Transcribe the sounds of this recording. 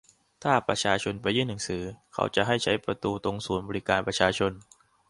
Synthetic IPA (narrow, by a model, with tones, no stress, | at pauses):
t̪ʰaː˥˩pɾa˧t͡ɕʰaː˧t͡ɕʰo˧npa˧jːɯː˥˩ŋnɯ˩˦ŋsɯː˩˦kʰa̰˦˥wt͡ɕa˨˩ɦa˥˩jt͡ɕʰa˦˥jpɾa˧t̪uː˧t̪o˧ŋsuː˩˦nbɔː˧ɾi˦˥kaː˧npɾa˧t͡ɕʰaː˧t͡ɕʰo˧n